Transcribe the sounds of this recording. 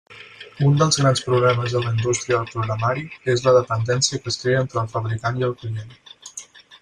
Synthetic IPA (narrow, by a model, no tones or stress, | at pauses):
und̪əlˠzɣɾanspɾuɣlɛməzðələind̪ust̪ɾiəðəlˠpɾuɣɾəmaɾiezləðəpənd̪ɛnsiəkəskɾeəent̪ɾəːlˠfəβɾikaniəlˠklien